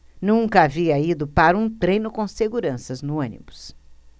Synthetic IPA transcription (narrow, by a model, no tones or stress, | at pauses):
nũkɐaviɐid̪ʊpaɾɐũt̪ɾẽjnʊkõseɡuɾɐ̃sɐznʊɐ̃nḭmʊs